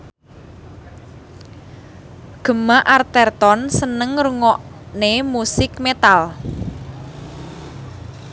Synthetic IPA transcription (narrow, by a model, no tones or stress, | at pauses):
ɡ̥ə̤maʔart̪ɛrt̪ɔnsənəŋɾuŋɔʔ | nemusɪkmet̪al